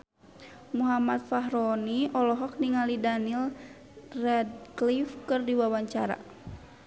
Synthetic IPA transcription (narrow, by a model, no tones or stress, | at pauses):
muɦamat̪̚faɦɾɔniʔɔlɔɦɔk̚niŋalidanil | rɛd̚klifkɨrdiwawaɲt͡ʃaɾa̰